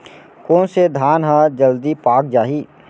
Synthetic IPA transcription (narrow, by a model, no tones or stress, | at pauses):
koːnsed̪ʱaːnɦəd͡ʒəld̪ipaːk̚d͡ʒaːɦiː